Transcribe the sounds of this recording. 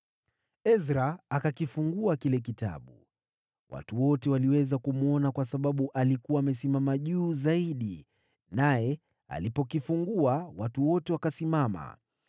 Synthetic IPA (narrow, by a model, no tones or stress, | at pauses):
ɛzɾaːkakifuŋɡuakilɛk̬ita̰ɓu | wʔa̰tuwɔtɛwaliwɛzakumuɔnakwasaɓaɓuʔalikuwaːmɛsimamaʄuːzaiɗi | najɛ | a̰lipɔkifuŋɡuawatuwɔtɛwakasimama̰